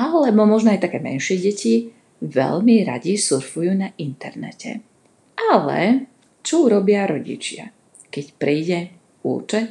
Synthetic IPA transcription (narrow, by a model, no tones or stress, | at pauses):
alɛbɔmɔʒnɔajt̪akɛːmɛ̰nʃɪɛɟɛci | ʋɛ̰ʎmiɾa̰ɟisuɾfujuːnaʔint̪ɛɾnɛ̰cɛ̰ | ʔalɛ̰ | t͡ʃɔuɾɔbɪaɾɔɟḭt͡ʃɪa̰ | kɛcpɾiːɟɛ | ṵːt͡ʃɛ